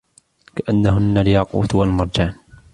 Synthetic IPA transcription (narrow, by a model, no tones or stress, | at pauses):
kaʔanːaɦʊnːalɪjɑqṵːt̪walmɑɾˤd͡ʒaːn